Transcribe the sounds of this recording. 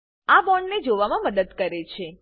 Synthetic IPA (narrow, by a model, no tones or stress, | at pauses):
abɔɳɖned͡ʒoʋamãməd̪əd̪kəɾet͡ʃʰe